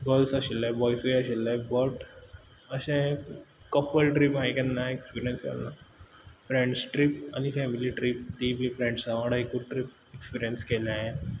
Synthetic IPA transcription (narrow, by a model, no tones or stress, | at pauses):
ɡəlsaɕilːebɔjsjaɕilːebəʈ | əɕẽ | kəpəlʈɾipajkɛ̃nːaekspiɾijənskɛ̰lna | fɾẽɳɖsʈɾipa̰nifɛmiliʈɾip̚t̪ibʱifɾẽɳɖsaʋəɽaikuʈɾip̚ | ekspiɾijənskelaɦe